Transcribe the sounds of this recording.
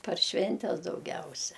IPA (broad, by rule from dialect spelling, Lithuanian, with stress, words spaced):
pɐr ˈʃʲʋʲɛnʲtʲɛs dɐʊˈɡʲɛʊsʲɛ